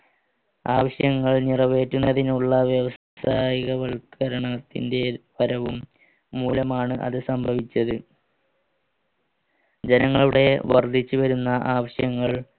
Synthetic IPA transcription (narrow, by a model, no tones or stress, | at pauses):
aːʋɐɕjɐŋːɐɭnirɐʋe̞ːtːunːɐðinuɭːɐʋjeʋɐs | saːjiɣɐʋɐɭkɐɾɐɳɐt̪ːḭnde̞ʋɐɾɐʋumː | uːlɐmaːɳɨʔɐ̰ðɨsɐmbʱɐʋit͡ɕːɐðɨ | d͡ʑenɐŋːɐɭuɽe̞ʋɐrd̪ʱit͡ɕːɨʋɐɾunːɐʔaːʋɐɕjɐŋːɐɭ